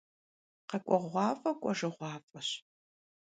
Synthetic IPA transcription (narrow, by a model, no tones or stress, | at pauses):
qɐkʷʼɔʁʷɑːfʼɐkʷʼɔʒɨʁʷɑːfʼɐɕ